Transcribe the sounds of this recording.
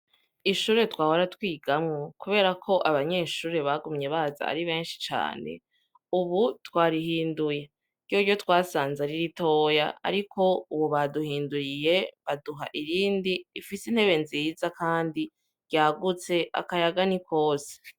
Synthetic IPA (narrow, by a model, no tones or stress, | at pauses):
iʃuːɾe̞twaːhoɾatwiːɡamŋokuβe̞ːɾakʰo̞ʔaβaɲe̞ʃuːɾe̞βaɡumɲe̞βaza̰a̰ɾiβe̞ːnʃi̥t͡ʃa̰ːne̞̰ | uβutwaːɾiɦiːnduje̞ | ɾɟjoɾjo̞twaːsaːnzeɾiɾito̞ːja̰ːɾikʰo̞uβoβaduhiːnduɾije̞βaduɦaʔiɾiːndiifisin̥he̞βe̞nzizakaːndi | ɾjaːɡut͡se̞ʔa̰kajaɡanikʰo̞ːse̥